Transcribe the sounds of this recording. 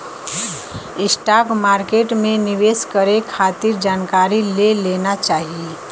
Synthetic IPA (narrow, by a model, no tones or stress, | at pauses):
ɪsʈaːkmaːɾkeʈmẽnɪʋeːskəɾekʰaːt̪iɾd͡ʒaːnkaːɾileleːnat͡ʃaːɦie